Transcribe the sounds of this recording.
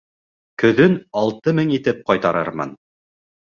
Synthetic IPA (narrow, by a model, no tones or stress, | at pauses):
kɵ̆ðɵnɑlˠt̪ɤmɘŋit̪ɘp̚qɑjt̪ɑɾɤ̰ɾmɑ̰n